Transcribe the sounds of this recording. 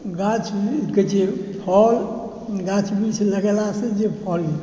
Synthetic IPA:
ɡãt͡ʃʰkət͡ʃepʰɔl | ɡãt͡ʃʰbiseləɡɛlased͡ʒepʰɔl

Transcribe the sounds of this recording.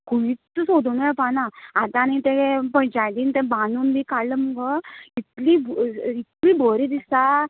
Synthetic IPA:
kuʋit̪t̪ːəsod̪ʱunəɛpanaat̪anit̪ɛ̃pə̃jt͡ɕajd̪iːnt̪ɛ̃bãnuːnb̪ʱikaɽləməɡəit̪libit̪liːbʱəɾid̪isa

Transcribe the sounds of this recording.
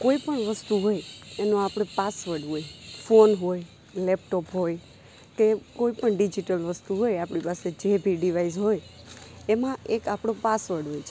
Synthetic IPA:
koipəɳʋəst̪uɦojenoapɽ̃epasʋəɾɖɦojfonɦoj | lep̚ʈopɦoj | kekoipəɳɖid͡ʒiʈəlʋəst̪uɦojapɽipased͡ʒebʱiɖiʋaizɦojemãekapɽ̃opasʋəɾɖɦojt͡ʃʰe

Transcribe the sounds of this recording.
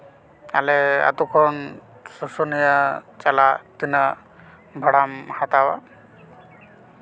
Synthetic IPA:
a̰lɛa̰t̪ukʰɔn | sɔsɔnijat͡ʃalat̪ina | bʱaɽamhat̪awa

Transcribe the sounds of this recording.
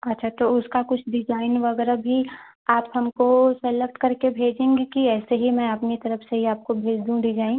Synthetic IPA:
ɐtːʃʰat̪oʊskakʊt͡ʃʰɖ̪ɪd͡ʒaːɪnʋɐɡɛːɾabʱi | aːpɦɐmkosɛlək̚ʈ̪kɐɾkebʱeːd͡ʒẽːŋɡikiɛːseɦimɛ̃ɐpnit̪ɐɾəfseɦiaːp̚kobʱeːd͡ʒd̪ũd̪ɪd͡ʒaːĩ

